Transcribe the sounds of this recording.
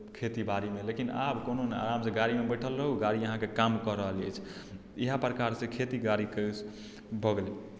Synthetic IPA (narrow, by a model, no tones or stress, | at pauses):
kʰet̪ibaɾimelekina̰bkononea̰ɾamsẽɡaɾimebəʈʰəlɾəɦuɡaɾiəɦãkekamkəɾəɦəlɛ̰t͡ʃʰ | iɦapɾəkaɾsẽkʰet̪iɡaɾikəs | bʱəɡle